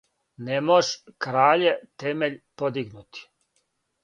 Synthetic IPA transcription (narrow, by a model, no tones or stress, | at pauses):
nemoʃkɾaːʎet̪emeʎpod̪iɡnut̪i̥